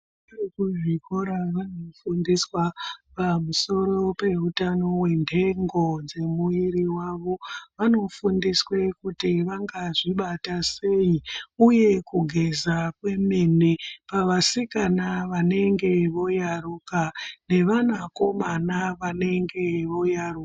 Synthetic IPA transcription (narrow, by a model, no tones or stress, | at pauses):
rikuʐikoɾaʋanofundiswapamuso̞ɾo̞pe̞utano̞we̞ndʱe̞ŋɡo̞d͡ze̞muiɾiwaʋo̞ʋano̞fundiswe̞kutiʋaŋɡaʐiɓatase̞iuje̞kuɡʱe̞zakwe̞menepaʋasikanaʋane̞ŋɡe̞ʋo̞jarukane̞ʋanako̞manaʋane̞ŋɡe̞ʋo̞jarua